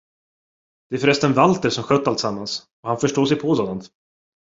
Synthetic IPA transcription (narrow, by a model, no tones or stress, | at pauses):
d̪̥ɛæɾfœɾɛst̪ənvalt̪əɾsɔmɧœt̪ːalt̪samːans | ɔhanfœʂʈoːʂɛjpʰɔsoːd̪ant̪